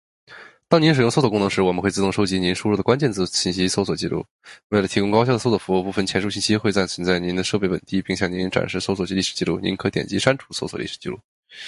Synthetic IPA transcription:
t̪ɑ˥ŋi˧˥nʂ̬̩˨˩jʊ˥ŋso˥ʊsɔ˨˩kʊ˥nɤ˧˥ŋʂɻ̩˧˥wɔ˨˩mə˦nxwe˥˩ɪt͡sɹ̩˥˧t̪ʊ˥˩ŋʂo˥ʊt͡ɕi˧˥ni˧˥nʂu˥ɻu˥˩d̪ə˩kwa˥nt͡ɕjɛ˥˧nt͡sɹ̩˥˧ɕi˥˩nɕi˥so˥ʊswɔ˨˩t͡ɕi˥˧lṵ˥˩ | we˥˩ɪlə˩t̪ʰi˧˥kʊ˥ŋkɑ˥ʊɕjd̪əso˥ʊs̬wɔ˨˩fu˧˥u˥˧˩pu˥˩fə˥˩nt͡ɕʰjɛ˧˥nʂu˥˧ɕ̬i˥˩nɕi˥xwe˥˧ɪt͡sa˥˩nt͡sʰwə˧˥nt͡sa˥˩ɪni˧˥nd̪ə˧ʂɤ˥˧pe˥˩pə˨˩nt̪i˥pi˥˧ŋɕjɑ˥˩ŋni˧˥nʈ͡ʂa̰˨˩nʂɻ̩˥˩so˥s̬wɔ˨˩t͡ɕi˧˥li˥˩ʂɻ̩˨˩t͡ɕi˥˧lu˥˩ni˧˥kʰɤ˧˥t̪jɛ̰˨˩nt͡ɕi˧˥ʂa˥nʈ͡ʂʰu̥˧˥so˥ʊswɔ˨˩lḭ˥˩ʂ̩˨˩t͡ɕḭ˥˧lṵ˥˩

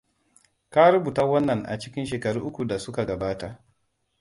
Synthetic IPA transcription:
ka˦ɾʊ˦buː˨ta˦wɐ˦nːɐ˨ŋʔa̰˨t͡ʃɪ˦kʲɪ˦nʃeː˨kɐ˨ɽuː˦ʔʊ˦kʷu˨da˨sʊ˦ka˨ɡɐ˨baː˦ta˦˨ʔ

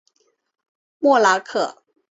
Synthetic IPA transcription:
mwɔ˥˩la˧˥kʰɤ˥˩

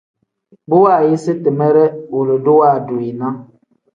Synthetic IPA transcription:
bo˦wa˦˨je˦se˦tə˨mɛ˦ɾɛ˦wo˨lə˨do˦wa˦˨do˨i˨na˦

